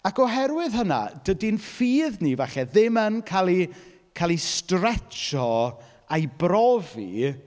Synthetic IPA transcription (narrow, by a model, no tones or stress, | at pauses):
akʰɔɦɛɾwɪðhəna̰d̥ədinfiːðnivaχɛðɪmənkʰalˠi | kʰalˠistrɛt͡ʃɔ | ajbrɔvḭ